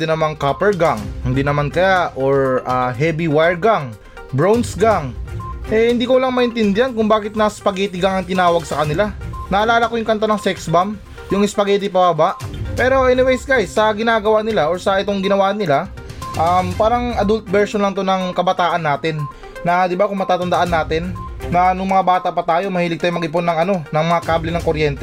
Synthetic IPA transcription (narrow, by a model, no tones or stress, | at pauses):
ɪnɐmaŋkapɛɹɡaŋhɪnd̪inɐmankɐjaʔoɹʔaɦɛːbiwajɹɡaŋ | bɹownsɡaŋʔɛhɪnd̪iːkolɐŋmɐʔɪnt̪ɪnd̪ɪjankʊŋbaːkɪt̪̚nɐspɐɡɛːt̪ɪɡaŋɐŋt̪ɪnaːwɐɡ̚sɐkɐnɪlanɐʔɐlaːlakojʊŋkɐnt̪anɐŋsɛksbam | jʊŋɪspɐɡɛːt̪ɪpɐbabaʔpɛːɾo̞ʔɛnɪwejsɡajsːɐɡɪnaːɡɐwanɪlaʔo̞ɹsɐʔɪt̪o̞ŋɡɪnɐwaːʔnɪla | ʔɐmpaːɾɐŋʔɐd̪ult̪̚bɛɹʃonlɐŋt̪onɐŋkɐbɐt̪aːʔɐnːaːt̪ɪnː | ɐd̪ɪbakʊŋmɐt̪aːt̪ɐnd̪ɐʔanːaːt̪ɪnːɐnʊŋmɐŋabaːt̪aʔpɐt̪aːjo̞mɐhiːlɪɡ̪̚aːjʊmɐɡɪpo̞nːɐŋɐno̞nɐŋmɐŋakablɪnɐŋko̞ɾjɛnt̪ɛ